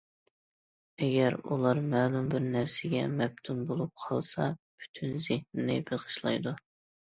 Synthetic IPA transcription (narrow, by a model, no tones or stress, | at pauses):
ɛɡʲɛɾṵlˠɑɾmɛːlumbɪɾnæɾsɪɡʲɛmɛp̚t̪ʰunbolˠup̚qʰɑlˠsɑpʰy̥t̪ʰynzɪhnɪnɪ̰beʁə̥ʃlˠɑ̰jd̪u